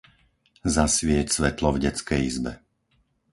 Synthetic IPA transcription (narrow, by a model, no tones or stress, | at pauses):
zasʋɪɛcsʋɛt̪lɔvɟɛt͡skɛjizbɛ